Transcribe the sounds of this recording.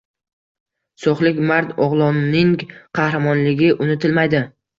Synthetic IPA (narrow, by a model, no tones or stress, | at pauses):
sɒχlˠɪkʲmaɾt̪ɒʁlˠɒnːɪŋqʰɑhɾamɒnlɪɡʲɪʔʊnɪt̪ʰɪlmajd̪ɪ